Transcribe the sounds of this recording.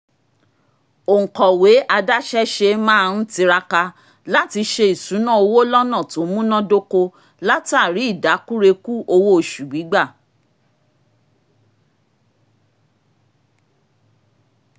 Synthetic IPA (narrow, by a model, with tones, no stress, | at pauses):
o˨ŋ̩˨kɔ˨we˨˦ʔa˧da˦ʃɛ˦ʃe˧mã˦˧n̩˦ti˧ɾa˧ka˧ | la˦ti˧ʃe˧i˨sũ˨˦nã˦˨o˧wo˦lɔ˦nã˦˨to˨˦mũ˦nɔ̃˦do˦ko˧ | la˦ti˦a˦˨ɾi˨˦i˦˨da˨˦ku˦ɾe˧ku˦o˧wo˦o˦˨ʃu˨ɡ͡bi˨˦ɡ͡ba˦˨